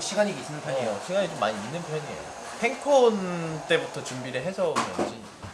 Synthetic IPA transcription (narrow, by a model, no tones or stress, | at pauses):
ɕʰiɡaɲiɡis͈ɯnɯnpʰjoioɕʰiɡaɲit͡ɕomːaɲiːnːɯnpʰjʌɲiḛo | kʰe̞ŋkʰont͈e̞butʰʌt͡ɕumbiɾɯɭɦe̞sʰʌd͡ʑi